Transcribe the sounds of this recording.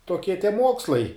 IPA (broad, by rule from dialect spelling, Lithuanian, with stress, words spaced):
toːˈkʲiɛ tʲiɛ ˈmuɔkslˠɐɪ